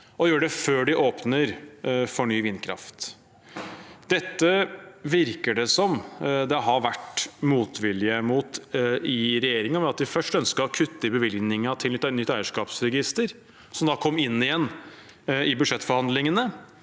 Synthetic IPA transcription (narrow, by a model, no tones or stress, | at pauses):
ɔjøːəɖɛføːɖɪʔoːpnəɾfɔɳyːʋɪnːkʰɾɑ̰ft̪ | d̪̥ɛt̪ːəʋɪɾkəɖɛsɔmd̪ɛɦɑʋæʈmuːt̪ʰʋɪljəmuːt̪ɪɾɛjeːɾɪŋɑʋɛɑt̪d̪ɪfœʂʈœnskəɔkʰʉt̪ːɪɾbəʋɪlɡnɪŋət̪ʰɪlt̪ːnʏt̪ːæɪəʂkɑːpsɾɛɡɪst̪əɾ | sɔmd̪ɑːkʰɔmːɪnːɪjɛnː | ɪbʉd̪ʂɛt̪ːfɔɾhɑnd̪lɪŋənə